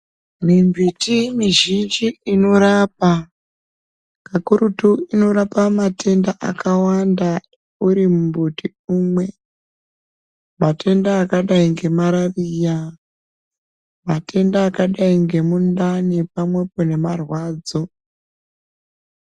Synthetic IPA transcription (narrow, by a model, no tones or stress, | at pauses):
mimvitimiʒind͡ʒiːno̞ɾaːp̚a | kakuɾutuino̞ɾapamatʰe̞ndaʔa̰kawanda | uɾimumbuti | uːmwe̞ | mate̞ndaːkaɗaiŋɡe̞maɾariːja | matʰe̞ndaːkaɗaiŋɡe̞mundanepamwe̞pone̞marwaːd͡zo̞